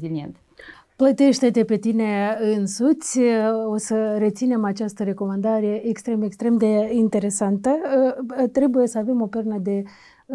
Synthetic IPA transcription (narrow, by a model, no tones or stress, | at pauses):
ziliḛnt̪ | plət̪e̞ʃt̪e̞t̪e̞pe̞t̪ine̞ɨnsut̪sʲosəɾe̞t̪sine̞mat͡ʃast̪əɾe̞ko̞mand̪aɾeje̞ʔekst̪ɾe̞mekst̪ɾe̞md̪e̞int̪e̞ɾe̞sant̪ə | t̪ɾe̞buje̞səave̞mo̞pernəd̪e̞